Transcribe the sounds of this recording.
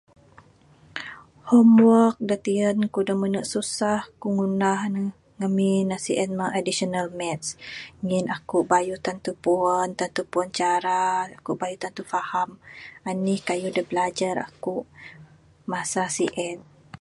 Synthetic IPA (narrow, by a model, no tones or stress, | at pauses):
hɔmwɔk̚dət̪iənkudəmənəʔsusahkuŋunahnə | ŋəminasiʔɛn̚maʔadisonalmɛt̪̚sŋinakuʔbajut̪ant̪upuənt̪ant̪upuənt͡ʃaɾaakuʔbajut̪ant̪ufahamanihkajudəbəlad͡ʒaɾa̰kuʔ | masasiʔɛt̪̚